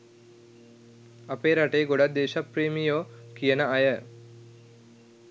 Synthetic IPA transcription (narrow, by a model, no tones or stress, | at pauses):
ɐpeːɾaʈeːɡoɽad̪eːʃapɾeːmijoːkijənəɐjə